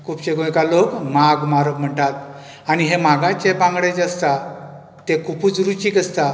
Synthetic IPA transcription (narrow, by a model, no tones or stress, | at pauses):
kʰupt͡ɕeɡõjkalokmaɡmaɾəkm̤əɳʈat̪̚ | añiɦemaɡat͡ɕebãŋɡɽed͡zast̪a | t̪ekuput͡sɾut͡ɕiːkəst̪a